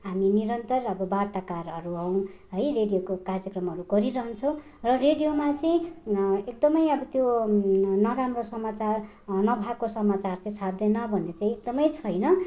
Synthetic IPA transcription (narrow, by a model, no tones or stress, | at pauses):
ɦaminiɾʌnt̪ʌrʌbʌbart̪akarɦʌɾuɦʌw̃ɦʌjreɖijokokarjʌkrʌmɦʌɾuɡʌɾiɾʌɦʌnt͡sʰʌ̃w̃ | rʌreɖijomat͡saĩek̚d̪ʌmʌjʌbʌt̪jo | nʌɾamrosʌmat͡sar | nʌbʱakosʌmat͡sart͡saĩt͡sʰab̚d̪enʌbʱʌnːet͡saĩek̚d̪ʌmʌjt͡sʰʌjnʌ